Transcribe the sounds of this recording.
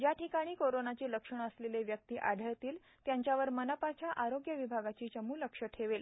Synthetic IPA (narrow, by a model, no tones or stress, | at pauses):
d͡ʑjaʈikaɽ̃iːkoɾonat͡ɕiːləkʂəɳ̃əsleleʋjək̚t̪iːʔaɽʱəɭt̪iːl | t̪jaɲt͡ɕjaʋəɾmənapat͡ɕjaʔaɾoɡjəʋibʱaɡat͡ɕiːt͡ɕəmuːləkʂəʈʰeʋel